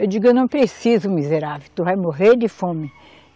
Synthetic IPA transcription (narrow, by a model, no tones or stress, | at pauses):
ewd͡ʒiɡʊewnɐ̃w̃pɾesizʊmizeɾavewt̪uvajmoɦeɾd͡ʒɪfõmɪ